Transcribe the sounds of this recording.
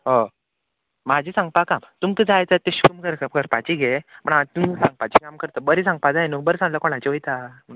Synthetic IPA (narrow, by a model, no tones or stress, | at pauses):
ɦɔ | mad͡ʑʱisãŋɡ̚pakamt̪umkəd͡zajt͡sat̪ːeɕu̥kumkəɾkəɾpat͡ɕiɡʱeməɳat̪umsãŋɡ̚pat͡ɕikamkəɾt̪əbəɾisãŋɡ̚pad͡zajenukbəɾsãŋɡləkoɽ̃ãt͡ɕiʋəjt̪am